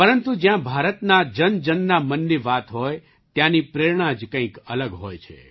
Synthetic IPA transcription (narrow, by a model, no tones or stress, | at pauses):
pəɾənt̪ud͡ʒjãbʱaɾət̪nad͡ʒənd͡ʒənːamənːiʋat̪ɦoj | t̪janipɾeɾɳ̃ãd͡ʒkə̃ĩkələɡɦojt͡ʃʰḛ